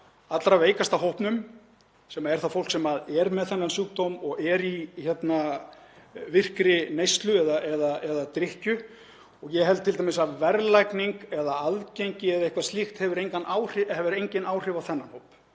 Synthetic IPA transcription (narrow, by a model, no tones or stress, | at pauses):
at̪lɾaveːjkast̪aɦowhpnʏm | sɛmaɛɾ̥θafowl̥ksɛmaðɛɾmɛðθɛnːansuːk̚t̪omɔɣɛɾiçɛt̪na | vɪr̥kɾɪnejst̪lʏɛðaʔɛðaɛðat̪ɾɪhcʏ | ɔɣjɛɦɛlt̪ʰɪlt̪amɪsaðvɛɾlajkniŋkɛðaaðcejɲcɪɛðaɪhkvḁst̪ixt̪hɛvʏɾejŋkanʔaːwr̥ɪɛvɪɾejɲcɪnaːwr̥ɪvawθɛnːanhowp